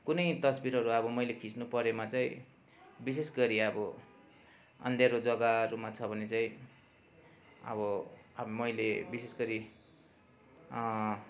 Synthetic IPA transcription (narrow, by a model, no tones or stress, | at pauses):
kunʌjt̪ʌsbiɾɦʌɾuʌbʌmʌjlekʰit͡snupʌɾemat͡saĩ | bis̬esɡʌɾiʌbʌ | ʌ̰nd̪ʱeɾod͡zʌɡaɾumat͡sʰʌbʱʌnet͡saĩ | ʌ̰bʌmmʌjlebisesɡʌɾi